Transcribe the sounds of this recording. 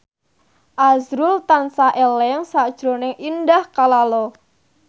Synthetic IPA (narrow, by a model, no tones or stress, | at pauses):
ʔazɾʊlt̪ansaʔɛlɛŋsad̥ʒ̥ɾo̤nɪŋʔindahkalalɔ